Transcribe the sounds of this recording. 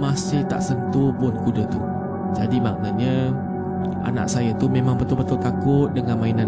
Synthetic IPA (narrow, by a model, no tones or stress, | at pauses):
masɪht̪a̰ʔsənt̪upʊnkudət̪u | d͡ʒadima̰k̚nat̪̚ɲə | a̰na̰ʔsajat̪umemaŋbət̪ʊlbət̪ʊlt̪akʊt̪̚dəŋanmaina